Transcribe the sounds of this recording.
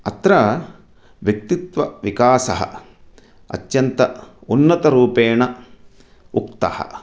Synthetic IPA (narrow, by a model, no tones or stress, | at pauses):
ɐt̪ɾɐ | ʋjɐk̚t̪it̪ʋɐʋikaːsɐɦɐ̰ | ɐ̰t̪jɐnt̪ɐunːɐt̪ɐɾuːpeːɳɐ | uk̚t̪ɐ̰hɐ̰